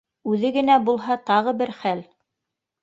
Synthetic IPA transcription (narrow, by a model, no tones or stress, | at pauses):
ʉðɘɡɘ̆næbulˠɦɑt̪ɑʁɤbɘɾχæl